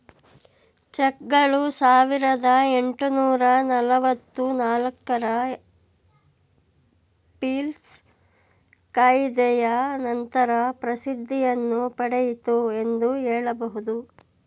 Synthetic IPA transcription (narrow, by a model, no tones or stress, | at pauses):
t͡ʃɛkːɐɭusaːʋiɾɐd̪ɐeɳʈunuːɾɐnɐlɐʋɐt̪ːunaːlɐkːɐɾɐ | piːls | kajd̪ɛjɐnɐnt̪ɐɾɐpɾɐsid̪ʱːijɐnːupɐɽejit̪ue̞nd̪uɦɛːɭɐbɐɦud̪u